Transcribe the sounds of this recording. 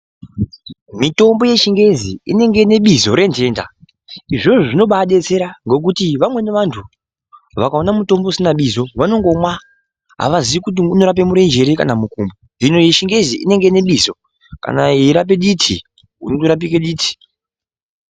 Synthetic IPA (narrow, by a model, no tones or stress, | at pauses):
mito̞mbo̞je̞ʃiŋɡe̞ziḭne̞ŋɡe̞ne̞ɓizo̞ɾe̞nte̞ːnda̰ | iʐo̞ʐoʐino̞ɓaɗe̞t͡se̞ɾaŋɡo̞k̬utiʋamwe̞neʋantʰu | ʋakaonamuto̞mbousinaɓizo̞ʋano̞ŋɡo̞mwa | ɦa̰ʋaziʋikut̬iuno̞ɾap̬emuɾe̞nd͡ʒe̞ɾeka̰namukuːmboninojeʃiŋɡe̞ziḭne̞ŋɡeineɓizo̞ | ka̰naiɾap̬eɗitʰḭ | ṵnotoɾap̬ikeɗiːtʰi̥